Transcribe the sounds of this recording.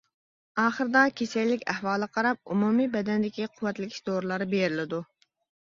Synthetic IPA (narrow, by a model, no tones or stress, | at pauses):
ɑːχəɾɨd̪ɑkʲʰesɛjlːɪkʲæhwɑːlˠəqʰɑɾɑp̚umumijbɛd̪ɛnd̪ɪkʲiqʰʊwːɛt̪lɪkʲʰi̥ʃd̪oɾlˠɑɾɨbeɾɪlɪd̪u